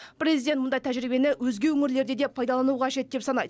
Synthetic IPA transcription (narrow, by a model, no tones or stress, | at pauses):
pʰɾʲezid̪nt̪mʊnd̪ɑjt̪ʰæʒɾibe̞nɪwɵzɡʲe̞wɵŋɪɾle̞ɾd̪e̞d̪e̞pʰɑjd̪ɑlˠɑnuʁɑʒe̞t̪̚d̪e̞psɑnɑ̰jd̪əə